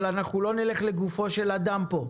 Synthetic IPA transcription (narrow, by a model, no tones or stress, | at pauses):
lanaχulo̞neleχleɡufo̞ʃe̞lad̪ampo̞